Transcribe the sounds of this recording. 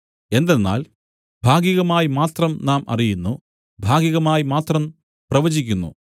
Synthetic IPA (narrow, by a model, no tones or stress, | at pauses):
e̞nd̪enːa̰ːl | bʱaːɡiɣɐmaːjimaːt̪rɐmnaːmɐ̰rijunːu | bʱaːɡiɣɐmaːjimaːt̪rɐm | prɐʋɐd͡ʑikʲːunːṵ